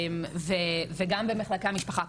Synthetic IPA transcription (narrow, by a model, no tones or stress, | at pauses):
mveveɡambemeχlakeamiʃpaχa